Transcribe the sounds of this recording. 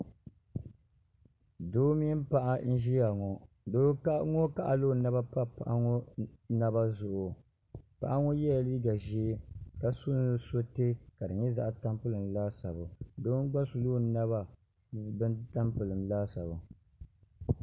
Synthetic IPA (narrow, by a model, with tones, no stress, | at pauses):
doː˦mi˦m˦pa˦ʔa˦n̩˦ʒi˦a˨ŋɔ˨ | doː˦ŋɔ˦ka˦ʔa˨loː˦na˦ba˦pa˦pa˨ʔa˦ŋɔ˦na˦ba˦zʊ˨ʔʊ˨ | pa̰˨ʔa˦ŋɔ˦jɛ˦ja˨liː˦ɡa˨ʒi˦ka˨sʊ˦n˦ɨ˦so˦te˦ka˨dɨ˨ɲɛ˦za˦ʔa˨ta˦mpɨ˦lɨ˨mlaː˦sa˨bʊ˨doː˦n˦ɡ͡ba˦nsu˨loː˦na˦βa˨ | bɨ˦nta˦mpɨ˨lɨ˨mlaː˦sa˨bʊ˨